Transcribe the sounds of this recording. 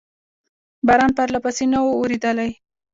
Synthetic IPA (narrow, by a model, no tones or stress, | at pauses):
baɾɑnpaɾlapasenawooɾid̪əlaj